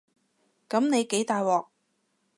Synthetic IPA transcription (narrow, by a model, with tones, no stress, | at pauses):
kɐ˨˥mne˨˧jke˨˥jt̪aː˨jwɔː˨k̚